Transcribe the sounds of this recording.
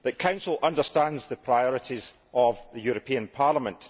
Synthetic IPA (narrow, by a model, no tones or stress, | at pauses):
ðəʔkʰãʊ̃nsəl̩ˠʌ̃ndə˞stãndzðəpʰɹ̥aɪɔɹɪʔiz | ʔəvðəjʉɹəpʰĩə̃npʰaɹlˠəmə̃nʔ